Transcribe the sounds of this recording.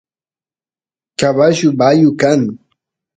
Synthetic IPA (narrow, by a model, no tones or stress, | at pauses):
kaβaʃʊbajʊkaŋ